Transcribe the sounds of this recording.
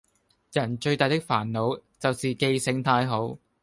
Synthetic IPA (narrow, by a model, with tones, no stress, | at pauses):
jɐ˨˩nt͡ʃɵ˧ɥt̪aː˨jt̪ɪ˥k̚faː˨˩nlo˨˧wt͡sɐ˨wsiː˨˩ke˧jsɪ˨˥ŋt̪ʰaː˧jɦo˨˥w